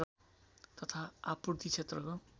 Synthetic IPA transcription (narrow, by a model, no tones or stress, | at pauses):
t̪ʌt̪ʰaapurt̪it͡sʰet̪rʌko